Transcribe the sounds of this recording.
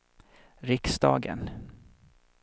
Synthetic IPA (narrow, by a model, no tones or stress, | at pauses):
ɾɪksd̪ɑːɡə̰n